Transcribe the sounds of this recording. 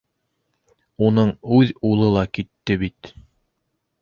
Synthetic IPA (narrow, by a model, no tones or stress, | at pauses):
unɤɴʉðulˠɤlˠɑkit̪ːɘβit̪